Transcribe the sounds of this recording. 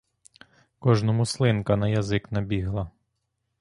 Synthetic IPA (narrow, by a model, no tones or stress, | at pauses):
kɔʒnɔmʊslˠɪnkɐnɐjɐzɪknɐbʲiɦlˠɐ